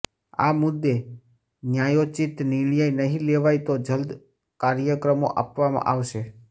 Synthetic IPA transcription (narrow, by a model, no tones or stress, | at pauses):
a̰mʊd̪ːe | njajot͡ʃit̪nɪɭ̃jajnəɦĩleʋajt̪od͡ʒəld̪ | kaɾjəkɾəmo̰ʔa̰pʋamã̰ʔaʋʃe